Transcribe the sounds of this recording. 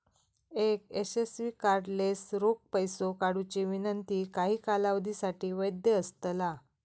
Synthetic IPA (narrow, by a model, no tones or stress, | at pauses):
ekesesʋiːkaɾɖlesɾok̚pəjsokaɽut͡ɕeʋinənt̪iːkaɦiːkalaʋd̪isaʈiːʋəjd̪jəəst̪la